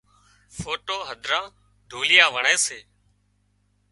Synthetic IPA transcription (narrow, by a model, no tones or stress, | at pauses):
foːʈoːɦəd̪ʱɾãː | ɖ̪ʱoːlɪjãːʋəɳẽːseː